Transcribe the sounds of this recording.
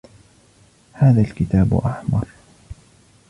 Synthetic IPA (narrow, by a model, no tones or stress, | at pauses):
haːðalkɪt̪aːbʊ̰ʔaħmɑɾˤ